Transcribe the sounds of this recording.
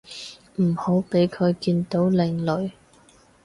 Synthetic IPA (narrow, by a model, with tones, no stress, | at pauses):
m̩˨˩ho˨˥wpe˨˥jkʰɵ˨˧ɥkiː˧nt̪o˨˥wlɪ˨˩ŋlɵ˨˩ɥ